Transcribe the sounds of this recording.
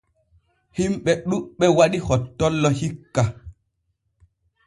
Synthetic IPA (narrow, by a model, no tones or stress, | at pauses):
himɓɛɗuɓːɛwaɗihɔtːɔlːɔhikːa